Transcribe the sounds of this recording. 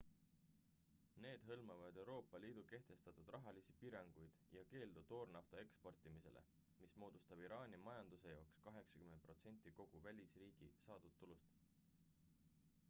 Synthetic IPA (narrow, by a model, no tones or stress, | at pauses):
ne̞ːd̪̥ɦɤlmɑvɑd̪̥e̞wɾo̞ːpːˑɑliːd̪̥uke̞ht̪e̞st̪ɑt̪ˑud̪̥rɑɦɑlisipiɾɑŋɡ̥ujd̪̥jɑke̞ːld̪ut̪ːo̞ːrnɑft̪ɑe̞kspo̞rt̪ˑːimise̞̰lʔḛ | mismo̞ːd̪̥ust̪ɑb̥iɾɑːnʲimɑjɑnd̪̥use̞jɑokskɑɦe̞ksɑkymepro̞t̪se̞nʲt̪ːˑiko̞ɡ̥uvælʲisriːɡ̥isɑːd̪̥ut̪ːulust̪